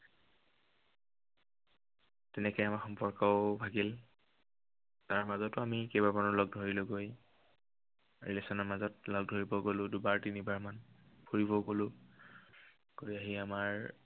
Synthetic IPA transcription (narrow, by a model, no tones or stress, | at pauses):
tɛnɛkɔjamaɹxɔmpɔɹkɔʊbʱaɡil | taɹmazɔtʊamikejbaɹmanɔlɔɡ̚dʱoɹilʊɡoj | ɹilesɔnɔɹmazɔtlɔɡ̚dʱoɹibɔɡolʊ̃dubaɹtinibaɹmanpʰoɹibɔɡolʊ̃ | ɡ̥oɹiaɦiamaɹ